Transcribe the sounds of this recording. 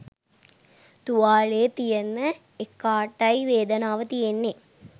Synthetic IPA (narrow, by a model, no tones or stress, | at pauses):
t̪uʋaːɭeːt̪ijenːə | ekːaːʈːɐiʋeːd̪ənaːʋət̪ijenːe